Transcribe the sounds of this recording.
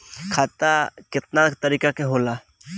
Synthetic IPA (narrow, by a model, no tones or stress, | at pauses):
kʰaːt̪akɪt̪̚nakt̪ɐɾiːkakeɦoːla